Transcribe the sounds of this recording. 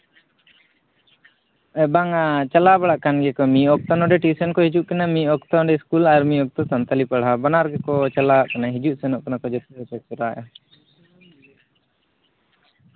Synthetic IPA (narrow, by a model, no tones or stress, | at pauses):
ɛbaŋat͡ʃalabaɽaʔkanɡɛkɔmiɔk̚t̪ɔnɔɖɛʈisənkɔhid͡ʒuʔkanamiɔkt̪ɔɖɛiskulaɾmiɔk̚t̪ɔsant̪alipaɽɦabanaɾɡɛkɔt͡ʃalaʔkanaɦid͡ʒuʔsɛnɔʔkanakɔd͡ʒɔt̪ɛt̪ɛkɔɾa̰ʔa̰